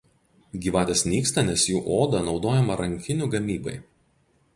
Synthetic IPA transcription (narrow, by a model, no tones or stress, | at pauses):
ɡʲiːʋɑːt̪ʲeːsnʲiːkst̪ɐnʲɛsjuːʔoːd̪ɐnɒʊd̪oːjɛmɐɾɐŋʲkʲɪnʲuɡɐmʲiːbɐ̰ɪ